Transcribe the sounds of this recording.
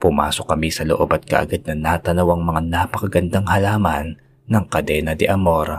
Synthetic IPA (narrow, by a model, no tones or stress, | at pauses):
pʊma̰ːso̞kɐmisɐloʔo̞bɐt̪̚kɐ̰ʔɐ̰ɡad̪̚nɐnat̪ɐnɐwɐŋmɐŋanapɐkɐɡɐnd̪aŋhɐlaːmɐnː | ɐŋkɐd̪ɛːnɐd̪ɛʔɐmoɾ